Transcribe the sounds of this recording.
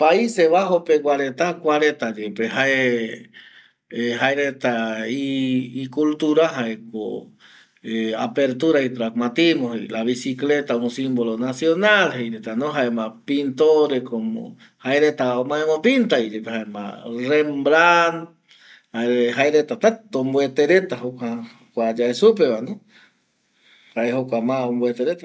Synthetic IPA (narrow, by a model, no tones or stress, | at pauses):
paiseβaɦopekwaɾet̪akwaɾet̪ad͡ʒepehae | eɦaeɾet̪aiːkult̪uɾaɦaeko̰ | eapeɾt̪uɾait̪ɾakmat̪imoɦeḭlaβisiklet̪auŋsimbolonasjonalheiɾet̪anõɦaemapint̪oɾekomo̰ | haeɾet̪aomaemopint̪aid͡ʒepehaema̰rembɾan | haeɾeɦaeɾet̪at̪at̪ːombwet̪eɾet̪aɦokʷaha | kʷad͡ʒaesupeβano | haehokʷamaumbwet̪eɾet̪a